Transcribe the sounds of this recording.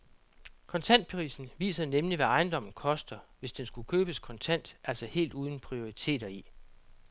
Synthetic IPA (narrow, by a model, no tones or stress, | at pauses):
kʰɒ̽nt͡sʰæn̰d̥̚pʰʁḭːsn̩ʋḭːsɐð̞̩ˠnemliʋæɑ̈ɪnd̥ɒ̽m̰n̩kʰɒ̽sd̥ɐʋe̝sd̥ensɡ̥ukʰøːb̥əskʰɒ̽nt͡sʰæn̰d̥ʔæl̰sɒhe̝̰ːld̥uːð̞ˠn̩pʰʁio̝ʁit͡sʰe̝̰ːdɐi